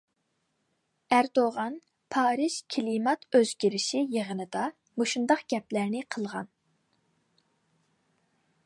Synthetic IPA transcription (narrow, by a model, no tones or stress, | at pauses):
æɾd̪oʁɑn | pʰɑːɾɨʃkʲʰilimɑt̪ʰøz̥ɡʲiɾɪʃijəʁənɨd̪ɑ | moʃund̪ɑqɡ̥ʲɛplæɾnɪqʰəlˠʁɑ̰n